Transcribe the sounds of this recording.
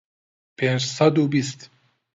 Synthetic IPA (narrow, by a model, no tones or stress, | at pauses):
pʰend͡ʒsad̪ubist̪